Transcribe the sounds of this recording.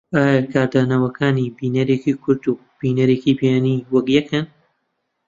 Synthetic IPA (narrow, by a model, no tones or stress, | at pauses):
ʔaːjakʰaːɾd̪aːnɐwɐkʰaːnibiːnɐɾeːkikʰʊɾd̪u | b̥iːnɐɾeːkibijaːniwɐɡjɛkʰɐn